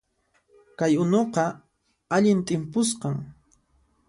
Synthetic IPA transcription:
kajʊnoqɑ | aʎɪnt̪ʼɪmpʊsqɑŋ

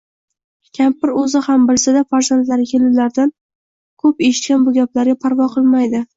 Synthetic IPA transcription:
kʲʰampɪɾɵzɪhambɪlsɪd̪afaɾzant̪laɾɪkʲʰe̞lɪlaɾd̪an | kʰɵpeʃɪ̥t̪̚kʲanbʊɡʲaplaɾɡʲapʰaɾvɒqʰɨlˠmajd̪ɪ

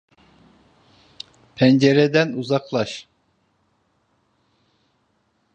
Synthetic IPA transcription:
pʰɛnd͡ʒɛɾɛd̪ɛnuzɑqlˠɑʃ

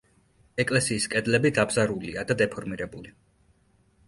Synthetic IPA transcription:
ɛkʼlɛsiːskʼɛd̪lɛbid̪abzaɾuliad̪ad̪ɛpʰɔɾmiɾɛbuli

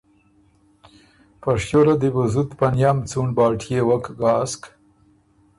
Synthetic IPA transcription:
pɐʂjoɾad̪ibuzut̪pɐnjaːmt͡suɳbɑːʈʰjewɐkɡɑːsk

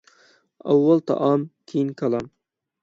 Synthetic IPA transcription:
ɑ̰wːalˠt̪ʰɑ̰ʔɑːmkʲʰejinkʰɑlˠɑm

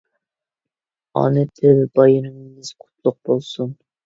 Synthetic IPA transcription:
ɑ̰nɛt̪ʰɪlbɑjiɾɪŋmɪzqʰʊ̥t̪̚lˠʊq̚bolˠsun

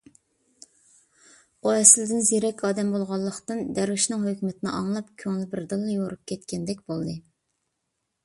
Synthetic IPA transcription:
oɛsɪld̪ɪnzeɾɛkʲʰɑːd̪ɛmbolˠʁɑlˠːəqt̪ɨnd̪æɾwɪʃnɨŋhøkʲmɪt̪ʰɪnɪ̰ʔɑŋlˠɑpkʲʰøŋlɪbɪɾd̪ɨlˠːɑjoɾup̚kʲʰɛt̪kʲʰɛnd̪ɛkʲbolˠd̪ɨ

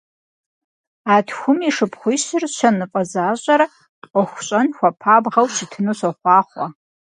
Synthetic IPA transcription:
aːtʰxʷʊmiʂɨpχʷʊjɕɪrʃʰɐnɨfʼɐzaːʑʼɐɾ | pʼɔxʷʊɕʼɐnxʷɐpʰaːbʁɐwʃʰitʰɨnuɕʷɐχʷɑːχʷɐ

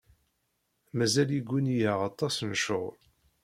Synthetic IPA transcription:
mæzæliɡʷːunijaʁɑt̪ˤːɑsnʃoʁl

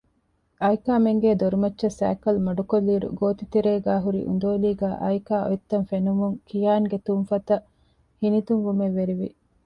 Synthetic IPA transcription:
ɐjkaːmeŋɡeːd̪oɾumɐtːʃːɐsæ̰ːkɐlmɐɖukolːiːɾṵɡoːt̪it̪eɾeːɡaːɦuɾḭʔṵnd̪oːliːɡæːʔɐ̰jkaːʔo̰jit̪ːɐnfenumuŋkijaːŋɡet̪umfɐt̪ɐ | hinit̪uŋʋumeʋːeɾiʋḭ

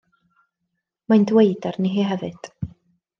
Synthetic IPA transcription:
majndwejdarniɦiɦɛvɨd̥

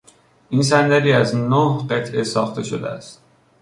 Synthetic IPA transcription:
ʔiːns̬ænd̪æɾiːæznohɢe̞t̪ʰʔe̞sɒːxt̪ʰe̞ʃo̞d̪ḛæ̰st̪̚

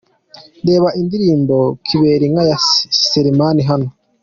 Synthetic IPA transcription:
nde̞ːβaʔindiɾiːmbo̞kʰiβe̞ːɾiŋɡajaseɾimaniɦano

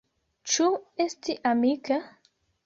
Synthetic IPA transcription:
t͡ʃuest̪iʔamika

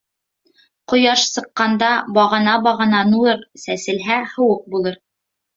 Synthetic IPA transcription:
qŏjɑʃsɤ̆qːɑnd̪ɑbɑʁɤ̆nɑbɑʁɤ̆nɑnuɤɾsæsɘ̆lɦæhɤ̆wɤq̚bulˠɤɾ

